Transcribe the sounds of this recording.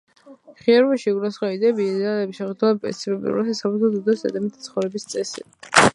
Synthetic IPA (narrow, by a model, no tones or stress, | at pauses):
χiɛɾvaʃiɡuɾasχɔid̪ɛbiːd̪ɛalɛbiʃɛχɛd̪ulapʼɛ̰t̪sʰibɛbḭṵɾasasabɾɛt̪ʰɔd̪ud̪ɔsd̪ɛ̰d̪ɛmit̪ʰi̥t̪sʰχɔvɾɛbist̪sʼɛsḭ